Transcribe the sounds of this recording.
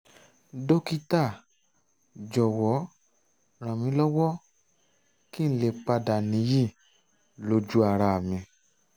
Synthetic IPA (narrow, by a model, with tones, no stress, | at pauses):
do˦ki˦ta˦˨ | d͡ʒɔ˨wɔ˨˦ | ɾ̃ã˨mĩ˨˦lɔ˦wɔ˦ | ki˦n̩˦le˧˨k͡pa˧da˨nĩ˨˦ji˦˨ | lo˨˧˦d͡ʒu˦a˦˧˨ɾa˧˨mĩ˧